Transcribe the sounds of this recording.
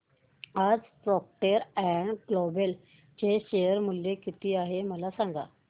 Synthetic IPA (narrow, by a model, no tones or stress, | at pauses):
ad͡zsɔk̚ʈəɾɛɳɡlobel | t͡ɕeɕejəɾmuljekit̪iːaɦeməlasãŋɡa̰